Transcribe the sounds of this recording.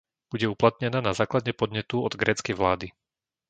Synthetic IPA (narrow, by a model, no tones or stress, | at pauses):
b̥uɟɛuplat̪ɲɛnaːnazaːklad̪ɲɛpɔd̪ɲɛt̪uɔd̪ɡɾɛːt͡skɛjʋlaːd̪i